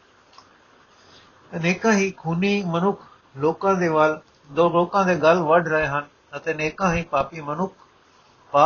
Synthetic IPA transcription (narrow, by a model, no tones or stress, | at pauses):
neːkãːɦiːkʰuːniːmənʊkʰ | loːkãd̪eːʋaːl | d̪oloːkãːd̪eːɡalʋɐɖʱɾɐɦeɦənɪ | ɐt̪ẽneːkãːɦipaːpimɐnʊk̚ʰ | paː